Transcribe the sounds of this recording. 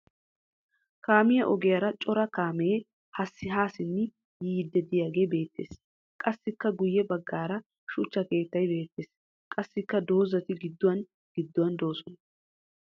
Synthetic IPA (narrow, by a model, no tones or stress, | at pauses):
kaːmɪjɐʔɔɡɛjɐɾɐt͡ʃʼɔɾɐkaːmɛ | hɐsːɪɦaːsɪnːɪ | jiːd̪ːɛd̪ɪjaːɡe̞ːbe̞ːt̪ːe̞̰ːs | kʼɐsːɪkːɐɡʊjːɛbɐɡːaːɾɐ | ʃʊt͡ʃːɐke̞ːt̪ːɐjbe̞ːt̪ːeːs | kʼɐsːɪkːɐd̪o̞ːzɐt̪ɪɡɪd̪ːʊwɐn | ɡ̥ɪd̪ːʊwɐnd̪o̞ːsɔnɐ